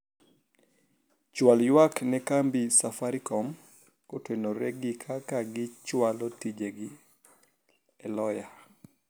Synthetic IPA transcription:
t͡ʃwaljwaknɛkambisafaɾikɔm | kotwenoɾɛɡikʰakaɡɪt͡ʃwalɔtid͡ʒeɡi | ɛlɔja

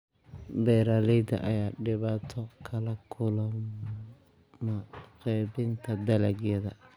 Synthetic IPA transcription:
bɛɾaːlɛjd̪ɐ̰ʔɐjaːɖɪβaːt̪ʰɔkʰɐlɐkʰʊlɐm | mɐqɛːbɪnt̪ʰɐd̪ɐlɐɡjɐðɐ̰

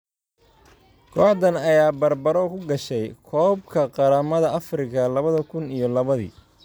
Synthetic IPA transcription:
kʰɔːħðɐnɐjaːbɐrbɐɾɔkʰʊɡɐʃɛjkʰɔːb̚kʰɐqɑɾaːmɐðɐɐfrɪkʰɐlɐβɐðɐkʰʊnijɞlɐβɐðḭː

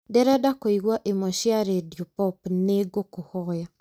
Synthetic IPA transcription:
dɛɾɛdakoiɣwaʔemɔʃiaɾediopɔpneɡokohɔja

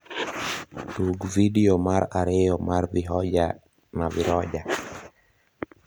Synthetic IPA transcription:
tuɡvidiomaɾaɾejɔmaɾvɪɦɔd͡ʒa | navɪɾɔd͡ʒa

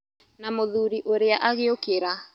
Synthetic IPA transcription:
namoðuɾiʔoɾeaʔaɣeokeɾa

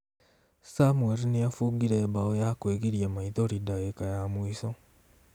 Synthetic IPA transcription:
samweɾinijafuɡiɾebaojakweɡiɾjamait̪oɾidajekajamuiso

